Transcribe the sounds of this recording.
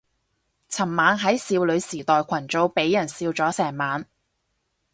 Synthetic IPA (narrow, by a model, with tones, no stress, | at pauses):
t͡sʰɐ˨˩mːaː˨˧nɦɐ˨˥jsiː˧wlɵ˨˧ɥsiː˨˩t̪ɔː˨jkʷʰɐ˨˩nt͡so˨˧wpe˨˥jːɐ˨˩nsiː˧wt͡sɔː˨˥sɛː˨˩ŋmaː˨˧n